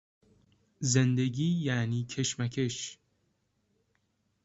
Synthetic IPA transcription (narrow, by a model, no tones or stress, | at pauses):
zend̪e̞ɟiːjæːniːcʰe̞ʃmæcʰeʃ